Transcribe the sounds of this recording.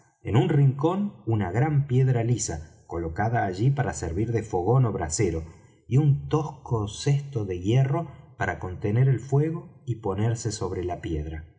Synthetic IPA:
e̞̰nunriŋko̞nunaɣɾampje̞ðɾalisa | ko̞lo̞kaðaːʒipaɾaseɾβiɾðe̞fo̞ɣo̞no̞βɾaseɾo̞ | iunt̪o̞skosest̪o̞ðe̞ɣje̞ro̞paɾako̞nt̪e̞neɾelfwe̞ɣo̞ipo̞neɾse̞so̞βɾe̞lapjeðɾa

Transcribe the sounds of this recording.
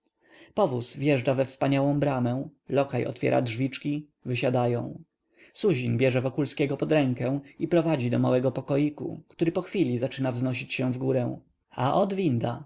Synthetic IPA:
pɔvusvjɛʐd͡ʐavɛfspaɲawɔ̃w̃bɾamɛ̃lɔkajɔ̰t̪fʲjɛ̰ɾa̰dʐvʲit͡ʂkʲi | vɘɕad̪ajɔ̰̃w̃ | suʑinbʲjɛʐɛvɔkulskʲɛɡɔpɔd̪ɾɛŋkɛ̃w̃ipɾɔvad͡ʑid̪ɔmawɛɡɔpɔkɔjikṵkt̪uɾɘpɔxfʲilʲizat͡ʂɘnavznɔɕ̬it͡ɕɕɛ̃vɡuɾɛw̃ | aʔɔd̪vʲind̪a

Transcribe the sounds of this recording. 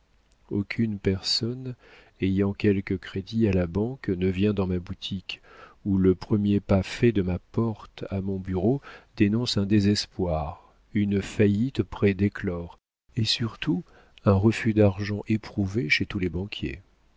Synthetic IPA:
okʰʲynpɛʁsɔn | ejɑ̃kʲɛlkəkχed̪ialabɑ̃knəvjɛ̃d̪ɑ̃mabut̪ʰikuləpχəmjepafɛd̪əmapɔʁt̪amɔ̃byʁod̪̥enɔ̃sɛ̃d̪ezɛspwaʁ | ynfajit̪pχɛd̪eklɔʁ | esyʁt̪ʰu | ɛ̃ʁəfyd̪aʁʒɑ̃ʔepχuveʃet̪ulɛbɑ̃kʲjḛ

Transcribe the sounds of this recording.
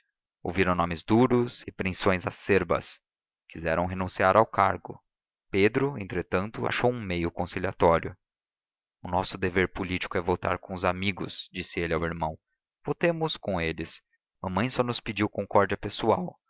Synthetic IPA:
o̰wviɾɐ̃w̃nõmɪzd̪uɾʊsɪpɾẽsõj̃zaseɾbɐ̰s | kizɛɾɐ̃w̃ɦenũsiaɾʔawkaɾɡʊ | ped̪ɾʊẽnt̪ɾet̪ɐ̃nt̪ʊa̰ʃowũmejʊkõsiliat̪ɔɾjʊ | ʊnɔsʊd̪eveɾpolit͡ʃi̥kʊɛvowt̪a̰ɾkõʊzamiɡʊ̰sd͡ʒisɪelɪawiɾmɐ̃w̃ | v̥ot̪ẽmʊskõelɪs | mɐ̃mɐ̃j̃sɔnʊspid͡ʒiwkõŋkɔɾd͡ʒiɐpesuaw

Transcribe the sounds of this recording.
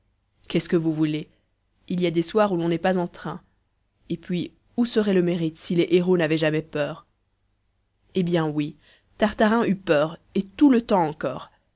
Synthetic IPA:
kɛskəvuvule | iliad̪eswaʁulɔ̃nɛpazɑ̃t̪χɛ̃ | epɥi | usəʁɛləmeʁit̪sileʔeʁonavɛʒamɛpœːʁ | ebjɛ̃wi | t̪aʁt̪aʁɛ̃ʔypœːʁet̪ulət̪ɑ̃ːkɔːʁ

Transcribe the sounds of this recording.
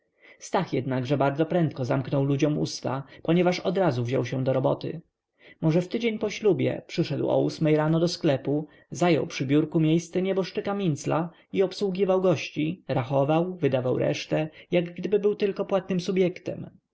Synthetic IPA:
st̪axjɛd̪naɡʐɛbaɾd̪zɔpɾɛnt̪̚kɔzamknɔwlud͡ʑɔmṵst̪a̰pɔɲɛvaʂɔd̪ɾazuvʑɔ̰wɕɛ̃d̪ɔɾɔbɔt̪ɘ̰ | mɔʐɛft̪ɘd͡ʑeɲpɔɕlubʲjɛ̰pʂɘʂɛd̪wɔ̰usmɛjɾanɔd̪ɔsklɛpu | zajɔ̰wpʂɘbʲjuɾkumʲjejst̪sɛɲɛbɔʂt͡ʂɘkamʲint̪sla | iɔpswuɡʲivawɡɔɕt͡ɕiɾaxɔvawvɘd̪avawɾɛ̰ʂt̪ɛjaɡɡd̪ɘbɘbɘwt̪ɘlkɔpwat̪̚nɘmsubʲjɛkt̪ɛm

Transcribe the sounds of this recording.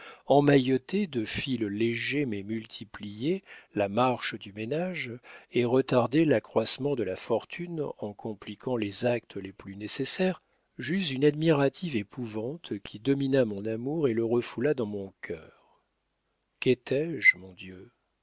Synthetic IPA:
ɑ̃majɔt̪ed̪əfilleʒemɛmylt̪ʰiplijelamaʁʃd̪ymenaʒeʁət̪aʁd̪elakχwasmɑ̃d̪əlafɔʁt̪ʰynɑ̃kʰɔ̃plikʰɑ̃lezak̚t̪ʰəleplynesesɛʁ | ʒyzynad̪miʁat̪ivepʰuvɑ̃t̪kʲʰid̪ɔminamɔ̃namuʁeləʁəfulad̪ɑ̃mɔ̃kʰʲœːʁ | kɛt̪ʰɛʒmɔ̃d̪jø

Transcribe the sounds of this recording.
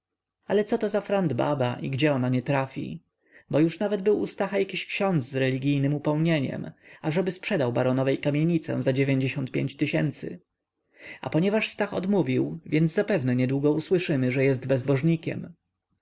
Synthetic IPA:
alɛt̪sɔt̪ɔzafɾand̪ba̰baʔḭɡd͡ʑɛɔnaɲɛt̪ɾafʲḭ | bɔjuʂnavɛd̪bɘwṵst̪axajakʲiɕkɕɔnd̪zzɾɛlʲiɡʲijnɘmupɛwɲeɲɛ̰maʐɛbɘspʂɛd̪awbaɾɔnɔvɛjkamʲjeɲit̪sɛ̰̃zad͡ʑevʲjeɲd͡ʑeɕɔnt̪̚pʲḛɲt͡ɕt̪ɘɕɛnt̪sɘ̰ | a̰pɔɲɛvaʂst̪axɔ̰d̪muvʲiwvʲjɛnd̪zzapɛvnɛɲɛd̪wuɡɔuswɘʂɘmɘʐɛjɛsd̪bɛzbɔʐɲikʲɛ̰m

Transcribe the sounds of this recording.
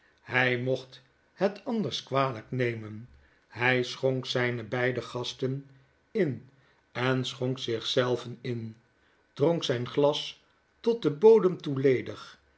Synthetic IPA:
hɛjmɔχt | hətɑndəɹskʋaːləknejmən | ɦɛjsχoŋksɛjnəbɛjdəχɑstən | ɪn | ɛnsχoŋksɪχsɛlˠvənɪn | d̥roŋksɛjnχlɑs | tɔt̚dəboːwdəmtulejdəχ

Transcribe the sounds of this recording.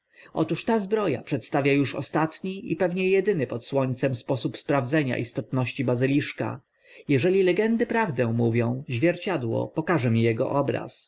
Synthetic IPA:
ʔɔt̪uʂt̪azbɾɔja̰pʂɛt̪st̪avʲjajuʂɔ̰st̪at̪ɲiʔḭpɛvɲɛjɛd̪ɘnɘpɔt̪swɔɲt̪sɛmspɔsupspɾavd̪zɛɲa̰ʔist̪ɔt̪nɔɕt͡ɕibazɘlʲiʂka̰ | jɛʐɛlʲilɛɡɛnd̪ɘpɾavd̪ɛw̃muvʲjɔ̃w̃ʑvʲjɛɾt͡ɕad̪wɔ̰pɔkaʐɛmʲijɛɡɔ̰ʔɔbɾa̰s

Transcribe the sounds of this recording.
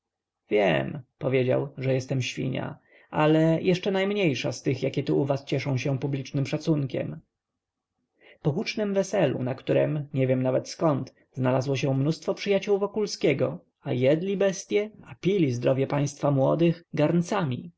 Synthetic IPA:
vʲjɛ̰mpɔvʲjed͡ʑa̰wʐɛjɛst̪ɛmɕfʲḭɲa̰ | ʔalɛjʔɛʂt͡ʂɛnajmɲejʂast̪ɘxjakʲɛt̪uʔuvast͡ɕɛʂɔ̃w̃ɕɛ̃publʲit͡ʂnɘmʂat̪suŋkʲɛ̰m | pɔxut͡ʂnɛmvɛsɛlṵnakt̪uɾɛmɲɛvʲjɛmnavɛt̪skɔnt̪ | znalazwɔɕɛ̃mnust̪fɔpʂɘjat͡ɕuwvɔkulskʲɛɡɔ | ajɛd̪lʲibɛst̪ʲjɛapʲilʲizd̪ɾɔvʲjɛpaj̃st̪famwɔd̪ɘxɡaɾnt̪samʲḭ

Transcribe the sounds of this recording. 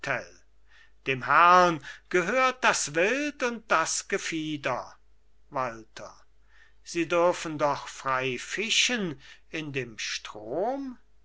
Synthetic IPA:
tʰɛl | d̥eːmhɛʁɐnɡ̥əɦøːɐt̚d̥asvɪltʊnt̚d̥asɡ̥əfiːdɐ | valtʰɐ | z̥iːdʏɐfən̩dɔχfʁ̥aɪfɪʃənɪndeːmʃtʁ̥oːm

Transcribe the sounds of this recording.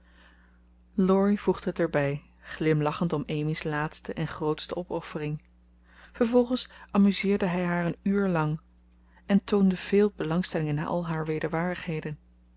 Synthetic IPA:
lɔɹivuχdəɦətɛɹbɛj | χlɪmlɑχəntɔmejmislaːtstəʔɛnχrowtstəɔpɔfərɪŋ | v̥əɹvɔlˠχənsʔɑmyzɪːɹdəɦɛjɦaːɹənyːɹlɑŋ | ɛntowndəv̥eːlˠbəlɑŋstɛlɪŋənːa̰ːʔɑ̰lˠɦaːɹʋejdəɹʋaːɹdəχɦejdən

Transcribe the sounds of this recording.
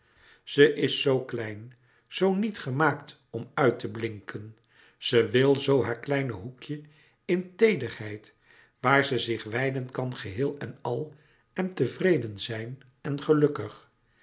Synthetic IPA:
z̥əʔɪsːowklɛjn | z̥ownitχəmaːkt | ɔmœɥtəblɪŋkʰən | z̥əʋɪlˠzowɦaːɹklɛjnəɦukjə | ɪntejdərhɛjt | ʋaːɹzəzɪχʋɛjdənkɑnχəɦɪːlˠɛnɑlˠ | ɛntəvrejdənzɛjn | ɛnχəlɵkəχ

